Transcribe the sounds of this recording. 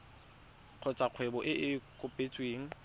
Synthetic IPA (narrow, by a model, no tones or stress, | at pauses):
q͡χʰɔt͡sʼaq͡χʰwɛbɔʔɪʔɪkʼʊpʼet͡sʼweːŋ̩